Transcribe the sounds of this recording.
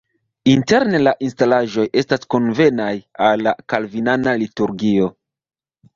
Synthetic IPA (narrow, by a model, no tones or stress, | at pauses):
inte̞ɾnelaʔinstalaʒo̞je̞stasko̞nve̞najalːakalvinanalituɾɡio̞